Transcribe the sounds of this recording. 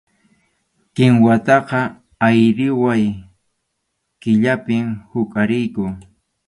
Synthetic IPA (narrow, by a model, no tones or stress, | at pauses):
kɪŋwat̪ɑqɑ | ajɾɪwaj | kɪʎapɪmhʊkʼaɾɪjkʊ